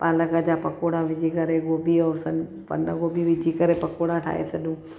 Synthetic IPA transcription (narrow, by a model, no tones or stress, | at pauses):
paːləkəd͡ʑapɐkoːɽaʋɪd͡ʒikɐɾeɡoːbiɔːɾsɐn | pɐ̰nəɡoːbiʋɪd͡ʒikəɾepɐkoːɽaʈʰa̰ːɦḛsɐɗũː